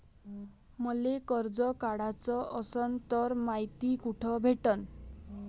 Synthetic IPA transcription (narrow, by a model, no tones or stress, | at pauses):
mɔlekɔɾd͡ʒɔkaɽat͡sɔʔɔsɔnt̪ɔɾmajt̪ikuʈʰɔbʱeʈɔn